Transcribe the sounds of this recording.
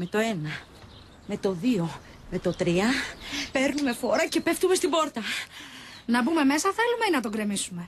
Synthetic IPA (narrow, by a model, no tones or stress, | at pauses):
me̞t̪o̞e̞nɐ | me̞t̪o̞ðio̞ | me̞t̪o̞t̪ɾiɐpe̞ɾnume̞fo̞ɾɐce̞pe̞ft̪ume̞st̪ibo̞ɾt̪ɐ | nɐbume̞me̞sɐθe̞lume̞inɐt̪o̞ɡɾe̞misume̞